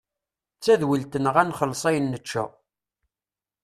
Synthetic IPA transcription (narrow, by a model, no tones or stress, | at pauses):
t͡sːæðwilt̪ənəʁænχəlːsˤæjənːət͡ʃːæ̰